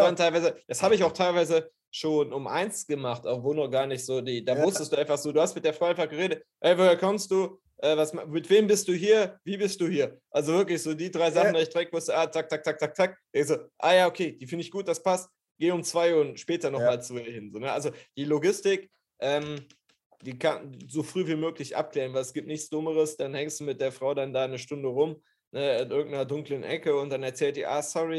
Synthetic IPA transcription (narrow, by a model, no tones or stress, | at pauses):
ntʰaɪlvaɪzəd̥ashaːbəɪçaʊxtʰaɪlvaɪzə | ʃoːnʊmʔa̰ɪnsɡ̥əmaχtʔaʊxvoːnɔχɡ̥aːɐnɪçtz̥oːdiːdaːmʊstəstd̥uːaɪnfaχz̥oːduːhastmɪt̚d̥eːɐfʁ̥ɔaɪnfaɡ̥əʁeːdət̚hɛɪvoːheːɐkʰɔmst̚d̥uː | ʔɛːvasmmɪtv̥eːmbɪstd̥uːɦiːɐviːbɪst̚d̥uːhiːɐʔalzovɪɐklɪçz̥oːdiːdʁaɪzaχn̩daɪçd̥ʁɛk̚v̥ʊstəʔaːt͡sak̚tt͡sʰak̚t͡sak̚tt͡sʰak̚t͡sak̚d̥ɛŋz̥oːʔaːjaːokʰeːd̥iːfɪndəɪçɡ̥uːt̚d̥aspʰast̚ | ɡ̥eːʊmt͡sv̥aɪʊntʃpɛːtɐnɔχmaːlt͡suiɐhɪnzoːnəʔalzod̥iːloɡɪstɪk | ʔɛːm | d̥iːkʰanzofʁ̥yːviːmøːklɪçʔa̰p̚kl̥ɛːʁənvaɪlɛsɡ̥iːp̚tnɪçt͡sd̥ʊməʁəsd̥anhɛŋstd̥uːmɪt̚d̥eːɐfʁ̥aʊdandaːnəʃtʊndəʁʊm | nəɪnʔɪɐɡŋ̩tnɐdʊŋklənʔɛ̰kəʊnt̚d̥anɛɐt͡sɛːlt̚d̥iːʔa̰ːsɔʁi